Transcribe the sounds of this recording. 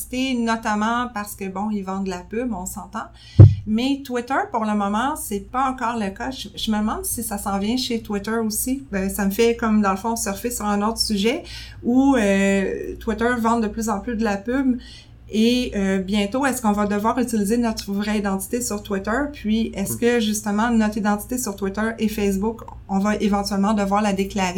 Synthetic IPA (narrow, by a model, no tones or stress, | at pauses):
i̥t̪enɔt̪amɑ̃paʁ̥sə̥kəbɔ̃ilvɑ̃d̪əlapybɔ̃sɑ̃t̪ɑ̃ | mɛt̪wɪt̪ə˞puʁləmɔmɑ̃sɛpaɑ̃kɑːʁləkaʒəʒəməd̪əmɑ̃nd̪sisasɑ̃vjɛ̃ʃet̪wɪt̪ə˞osiøsaməfɛkɔmd̪ɑ̃ləfɔ̃sɛʁfɪsyʁɛ̃not̪χsyʒɛ | uøt̪wit̪ə˞vɑ̃d̪əplyzɑ̃plyd̪əlapyb | eøbjɛ̃t̪oɛskɔ̃vad̪əvwaːʁyt̪ilizenɔt̪χəvʁɛid̪ɑ̃t̪i̥t̪esyʁt̪wit̪œpʰɥiɛskəʒyst̪əmɑ̃nɔt̪χid̪ɑ̃t̪i̥t̪esyʁt̪wit̪œʁefɛs̬bʊk | ɔ̃vaʔevɑ̃t̪ɥɛlmɑ̃d̪əvwaːʁlad̪eklaʁe